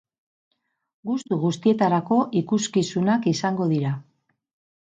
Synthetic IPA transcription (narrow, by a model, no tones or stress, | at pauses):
ɡust̪uɣust̪ie̞t̪aɾako̞ʔikuskisunakisaŋɡo̞ðiɾa